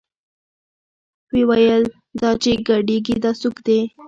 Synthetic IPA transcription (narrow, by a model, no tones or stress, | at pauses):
wewajəl | d̪ɑt͡ʃeɡaɖeɡid̪ɑsukd̪e